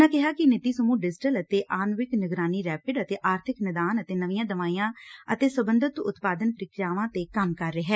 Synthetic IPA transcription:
ãːkɪɦaːkɪnɪt̪iːsəmuːɖɪd͡ʒɪʈələt̪eːʔaːnʋɪknɪɡɾaːniːɾɛːpɪɖət̪eːʔaːɾt̪ʰɪknɪd̪aːnət̪eːnəʋijãːd̪əʋaːijãːət̪eːsəbə̃nd̪ət̪ʊ̰t̪paːd̪ənpəɾɪkɾjaːʋãːt̪eːkəmkəɾːeːɦɛː

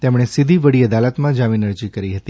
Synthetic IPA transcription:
t̪emɽ̃esid̪ʱiʋəɽiəd̪alət̪mãd͡ʒaʋinəɾd͡ʒikəɾiɦət̪i

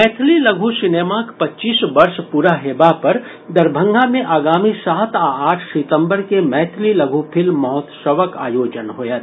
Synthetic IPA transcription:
mɛːt̪ʰlilɐɡʱusɪneːmakpɐtːt͡ʃiːsbɐɾʃpuːɾaɦeːbapɐɾ | d̪ɐɾbʱə̃ŋɡʱamẽʔaːɡaːmisaːt̪aaːʈʰsɪt̪ə̃mbəɾkemɛːt̪ʰlilɐɡʱupʰɪlːɔɦɔt̪ʃəʋəka̰ːjoːd͡ʒənɦojat̪

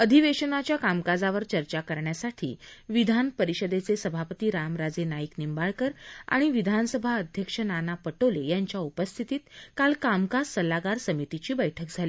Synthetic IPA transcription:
əd̪ʱiʋeɕənat͡ɕjakamkad͡zaʋəɾt͡ɕəɾt͡ɕakəɾɳjasaʈʰḭːʋid̪ʱanpəɾiɕəd̪et͡sesəbʱapət̪iːɾamɾad͡zenajiknimbaɭkəɾa̰ɽ̃iʋid̪ʱansəbʱaəd̪ʱjəkʂənanapəʈolejaɲt͡ɕjaupəst̪ʰit̪iːt̪kalkamkad͡zsəlaɡaɾsəmit̪it͡ɕiːbəjʈʰək̚d͡zʱali

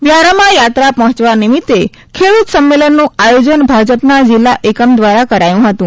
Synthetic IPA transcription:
ʋjaɾamajat̪ɾapɔ̃ɦɔ̃t͡ʃʋanimit̪ːe | kʰeɭut̪səmːelənːũajod͡ʑənbʱad͡ʑəpnad͡ʑilːaʔekəmd̪ʋaɾakəɾajũɦət̪ũː

